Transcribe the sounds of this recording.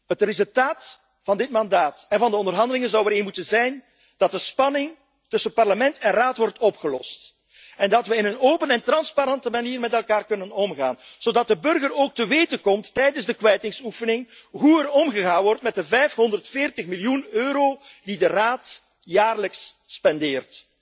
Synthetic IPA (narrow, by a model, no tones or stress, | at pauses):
ɦətrezʉlˠtaːt | fɑndɪtmɑndaːtɛnvɑndəɔndərɦɑndəlɪŋənzɑwəɾenmutənzɛjn | d̥ɑt̚dəspɑnɪŋ | tɵsəət̚pɑrləmɛntɛnraːtʋɔrtɔpxəlɔ̰st | ɛndɑtʋəɪnənoːpənɛntrɑnspaɾɑntəmaniːrmɛtɛlˠkaːrkɵnənɔmɣa̰ːnz̥odɑt̚dəbɵrɣəroːk̚təʋeːtəkɔmtːɛjdənzdəkʋɛjtɪŋsufənɪŋɦuərɔmɣəɣaːnʋɔrtmɛt̚əvɛjfɦɔndərtfɪːrtəxmiljunøːɾoːdidəraːt | jaːrləksːpɛndɪːrt